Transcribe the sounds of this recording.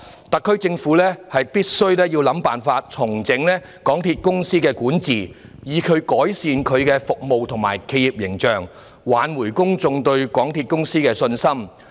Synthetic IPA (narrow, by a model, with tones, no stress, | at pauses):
t̪ɐ˨kʰːɵ˥ɥt͡sɪ˧ŋfuː˨˥lɛː˥hɐ˨jpiː˥t̚sɵ˥ɥlɛː˥ji˧wlɐ˨˥mpaː˨nfaː˧t̚t͡sʰʊ˨˩ŋt͡sɪ˨˥ŋlɛː˥ | kɔː˨˥ŋt̪ʰiː˧t̚kʊ˥ŋsiː˥kɛː˧kuː˨˥nt͡siː˨˩jiː˨kʰɵ˨˧ɥkɔː˨˥jsiː˧nkʰɵ˨˧ɥkɛː˧fʊ˨k̚mo˨wt̪ʰʊ˨˩ŋmaː˨˩jkʰe˨˧jiː˨p̚jɪ˨˩ŋt͡ʃœː˨ŋ | waː˨˥nwuː˨˩jkʊ˥ŋt͡sʊ˧ŋt̪ɵ˧ɥkɔː˨˥ŋt̪ʰiː˧t̚kʊ˥ŋsiː˥kɛː˧sɵ˧nsɐ˥m